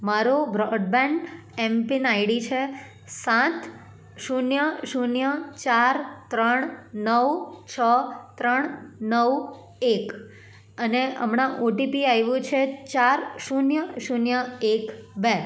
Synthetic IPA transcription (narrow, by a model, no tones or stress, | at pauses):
maɾobɾɔɖ̚bɛɳɖ | ɛmpinaiɽit͡ʃʰe | sãt̪ʰ | ʃunjəʃunjət͡ʃaɾt̪ɾəɳ̃nəʋt͡ʃʰət̪ɾəɳnəʋ | ek | əneə̰mɳaʔoʈipiajʋũt͡ʃʰet͡ʃaɾʃunjəʃunjəekbe